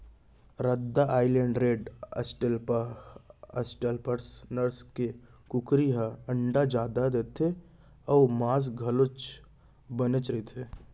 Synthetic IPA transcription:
ɾɐd̪ːaʔaːɪlẽɳɖɾeːɖəsʈəlp | əsʈəlpəɾsnəɾskekʊkɾiɦaə̃ɳɖad͡ʒaːd̪ad̪eːt̪ʰe | ɔːmaːs̬ɡʱɐlʊt͡ʃ | bənət͡ʃɾet̪ʰeː

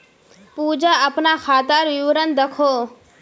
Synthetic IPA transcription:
puːd͡ʒaəpnaxʰaːt̪aɾʋɪʋɾənd̪əkʰoː

